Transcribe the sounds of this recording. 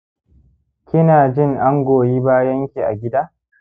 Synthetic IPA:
kʲɪ˦naː˨d͡ʒɪ˦ŋʔa˦ŋɡʷoː˨jiː˦baː˦jɐ˦ŋkʲi˨ʔa̰˨ɡʲɪ˦daː˦

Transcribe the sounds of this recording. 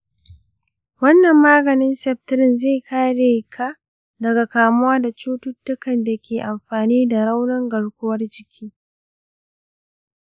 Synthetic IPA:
wɐ˦nːɐ˨mːaː˦ɡɐ˨nɪ˦nsɛ˨p̚tɪ˦ɾɪ˦˨nze˦˨kʰaː˦ɽe˨kʰaː˦ | dɐ˨ɡa˨kaː˨mʊ˦waː˦da˨t͡ʃoː˦tʊ˦tːʊ˦kɐ˨nda˨kʲʰeː˨ʔa˨mɸaː˨niː˦da˨ɾa˦wnɐ˦ŋɡɐ˨ɽkʷʊ˦wɐ˦rd͡ʒɪ˦kʲʰiː˦

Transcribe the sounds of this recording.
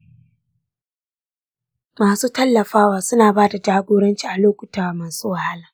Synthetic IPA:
maː˨suː˦tɐ˦lːɐ˨ɸaː˦waː˨sʊ˦naː˨baː˦da˨d͡ʒaː˦ɡʷoː˦ɽɐ˦nt͡ʃiː˦˨ʔa˨loː˦kʷʊ˨taː˨wa˨maː˨suː˦wa˨ha˦laː˨

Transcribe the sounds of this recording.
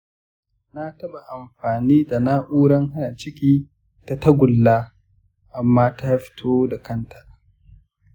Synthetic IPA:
na˦tɐ˦ba˨ʔa˨mɸaː˨niː˦da˨na˦ʔuː˦ɽɐ˦ŋha˦na˨t͡ʃɪ˦kʲiː˦ | ta˨tɐ˦ɡʷʊ˨lːaː˦ | ʔa˨mːaː˦ta˦ɸɪ̥˦tʰoː˦da˨kʰɐ˦nta˨ʔ

